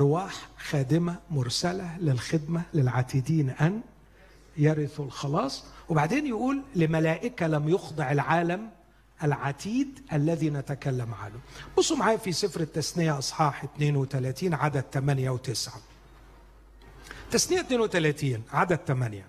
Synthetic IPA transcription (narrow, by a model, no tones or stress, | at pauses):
ʔɑɾˤwaːħxæːd̪ɪmæmʊɾsælælɪlxɪd̪mælɪlʕat̪iːd̪iːnʔæn | jɑɾɪθɪlxɑlɑːsˤwebaʕd̪eːnjɪʔuːlːɪmælæːʔɪkælæmjʊxd̪ˤɑʕɪlʕaːlæm | ʔælʕat̪ʰiːd̪ʔælːæðiːnæt̪akælːæmʕa̰nʊbosˤːumaʕaːjæfisˤɪfɾɪt̪ːæsnɪjaʔɑsˤħɑːħɪt̪neːnwɪt̪ælæːt̪iːnʕad̪æd̚t̪æmænjæwt̪ɪsʕa | t̪asnɪjːæt̪neːnwet̪ælæːt̪iːnʕad̪æt̪æmænjæ